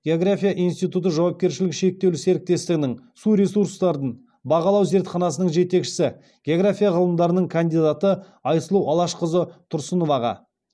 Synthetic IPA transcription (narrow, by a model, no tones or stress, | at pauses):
ɡʲeoɡɾafʲijaʔijnst̪ijt̪ut̪̬əʒɑwɑp̚kʲe̞ɾʃɪlɪkʃe̞k̚t̪e̞wlɪse̞ɾɪk̚t̪e̞st̪ɪɡʲɪnɪŋsuɾʲe̞suɾst̪ɑɾd̪ən | bɑqɑlˠɑwze̞ɾt̪χɑnɑsənəɴʒe̞t̪e̞kʃɪ̥sɪ | ɡʲeoɡɾafʲijaʁəlˠəmd̪ɑɾənəɴkʰand̪ijd̪at̪ə | ɑjsəlˠuɑlˠɑʃqəzət̪ʰʊɾsənovɑʁɑ̰